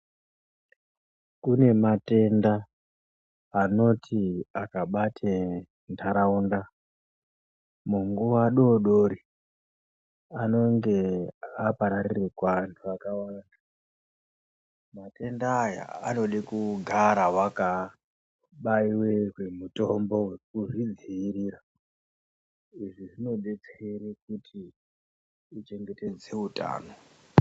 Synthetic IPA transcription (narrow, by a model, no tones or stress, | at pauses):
kune̞mate̞nda | no̞tʰiakaɓatʰe | ntʰaɾaunda | muŋɡuʋaɗo̞ɗoɾi | ano̞ŋɡe̞apaɾarirekaantʰuakawanda | mate̞ndaja̰a̰no̞ɗikuɡʱaɾawaka | ɓaiwe̞ɦwe̞muto̞mbo̞we̞k̚uʐid͡ziːriːra | iʐiʐino̞ɓe̞t͡seɾekutʰi | t͡ʃe̞ŋɡe̞te̞d͡ze̞uta̰ːno̞